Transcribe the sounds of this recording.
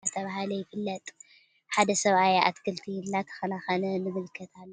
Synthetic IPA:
at̪ʰɐβahalɐjɪfɨlːɐt̪ʼ | ħad̪ɐsɐβʔajʔa̰t̪kʰɨlt̪ʰinːat̪ʰɐ̥xɐnaxɐnɐnɨmɨlkʰːɐt̪ʰalːo

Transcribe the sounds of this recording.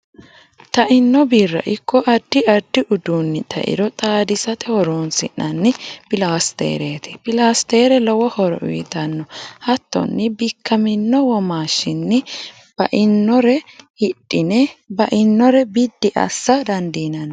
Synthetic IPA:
t̪ɐʔɪnːɔbiːrːɐ̰ʔɪkʰːɔʔɐd̪ːɪʔɐd̪ːɪʔʊd̪uːnːɪt̪ʰɐ̰ʔɪ̰ɾɔt̪ʼaːd̪ɪsɐt̪ɛhɔɾoːnsɪ̰nːɐnːɪpɪlaːst̪ḛːɾeːt̪ɪ̥pɪlaːst̪eːɾɛlɔwɔhɔɾɔ̰ʔʊ̰jɪt̪ɐnːɔhɐt̪ːɔ̰nːɪbɪkʰːɐmɪnːɔwɔmaːʃːɪnːɪ | b̥ɐʔɪnːɔɾɛhɪᶑʼːɪnɛbɐʔɪnːɔɾɛbɪd̪ːɪʔɐ̰sːɐd̪ɐnd̪iːnɐnː

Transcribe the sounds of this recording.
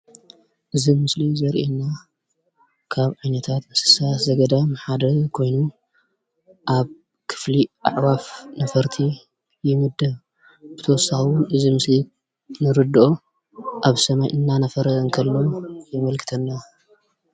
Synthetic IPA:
ʔɨzimɨslizɐɾʔenːa | kʰaβʕajnɐt̪ʰat̪mɨsɨ̥sazɐɡɐd̪amħad̪ɐkʰo̞jnu | ʔaβ | kʰɨ̥fliʔa̰ʕwafnɐfɐɾt̪ʰi | jɪmɨd̪ɐ | b̥ɨt̪ʰɐwɔsːaxwʊnɨzimɨsli | nɨɾɨd̪ɨʔo | ʔaβsɐmajʔɨnːanɐfɐɾɐɐnkʰɐlːojɪmɐlkʰɨ̥t̪ʰɐnːa

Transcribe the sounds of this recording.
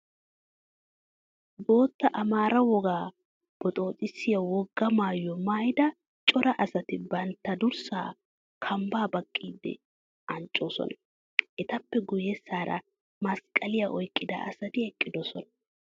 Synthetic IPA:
bo̞ːt̪ːɐʔɐmaːɾɐwɔɡaː | b̥ɔt̪ʼo̞ːt͡sʼɪsːɪjɐwɔɡːɐmaːjɔmaːjd̪ɐ | t͡ʃʼɔɾɐʔɐsɐt̪ɪbɐnt̪ːɐd̪ʊɾsa̰ː | kʰɐmbaːbɐkʼːiːd̪ːɛ̰ | ʔɐnt͡ʃʼːo̞ːsɔ̰nɐ | ʔɛt̪ɐpːɛɡʊjɛsːaːɾɐ̰ | mɐskʼːɐlɪjɐʔɔjkʼːɪd̪ɐ̰ɐ̰sɐd̪ɪɛkʼːɪd̪ɔsɔnɐ̥

